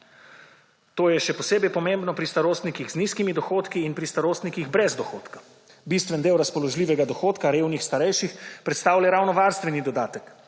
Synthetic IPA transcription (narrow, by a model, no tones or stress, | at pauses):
t̪oːjɛʃɛpɔseːbɛjpɔmembnɔpɾist̪aɾoːst̪nikiɣzniskimid̪ɔxoːt̪kiːnpɾist̪aɾoːst̪nikiɣbɾɛzd̪ɔxo̰ːt̪kḁ | bist̪ʋɛnd̪eːwɾaspɔlɔʒlʲiːʋɛɡad̪ɔxoːt̪kaɾewnixst̪aɾɛjʃixpɾɛt̪st̪aːwlaɾawnɔʋaɾst̪ʋɛnid̪ɔd̪aːt̪ək